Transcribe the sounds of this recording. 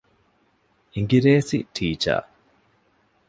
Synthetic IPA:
iŋɡiɾeːsiʈʰiːt͡ʃa̰ː

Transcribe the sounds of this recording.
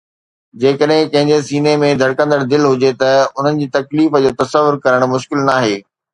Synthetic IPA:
d͡ʑeːkəɗɦɪ̃kɐ̃ɦɪ̃ɲd͡ʑesiːnemẽd̪ʱɐɽkə̃nd̪əɽd̪ɪlɦʊd͡ʑet̪ɐʊn̤ənɪ̆d͡ʑiːt̪ɐkliːfəd͡ʑoːt̪ɐsəʋʊɾkɐɾəɽ̃mʊʃkɪlnaːɦeː

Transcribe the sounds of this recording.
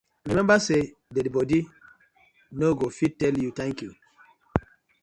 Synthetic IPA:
ɹimɛ̃mbase | dɛdbɔdi | noɡofitɛljutãŋkju

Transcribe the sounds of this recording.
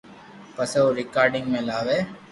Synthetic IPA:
pɐseoɾɪkaːɾɖɪ̃ŋɡmẽlaːʋeː

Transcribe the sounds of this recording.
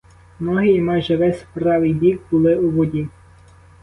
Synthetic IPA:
mnɔɦɪːmɑjʒɛʋɛsʲpɾɑʋɪjbʲikbʊlˠɪuʋɔdʲi

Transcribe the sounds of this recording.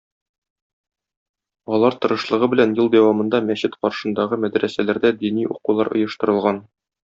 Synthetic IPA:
ɒlˠɑɾt̪ɤ̆ɾɤ̆ʃlˠɤ̆ʁɤbɘ̆lænjɤlˠd̪æwɑmɤ̆nd̪ɑmæɕɘt̪qɒɾʃɤ̆nd̪ɑʁɤmæd̪ɾæsælæɾd̪æd̪iniṵqulˠɑɾŏ̰jɤ̆ʃt̪ɤ̆ɾɤ̆lˠʁɑn

